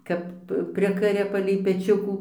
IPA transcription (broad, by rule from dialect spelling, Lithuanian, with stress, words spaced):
ˈkɐp ˈpʲrʲɪkɐrʲɛ pɐlʲɛɪ pʲɛˈt͡ʃʲʊkuː